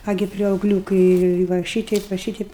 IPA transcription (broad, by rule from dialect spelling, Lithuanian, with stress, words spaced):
ˈɑːɡʲɪ pʲrʲɛʊˈɡlʲuːkɐɪ ʋɐ ˈʃʲiːtʲɛɪp ʋɐ ˈʃʲiːtʲɛɪp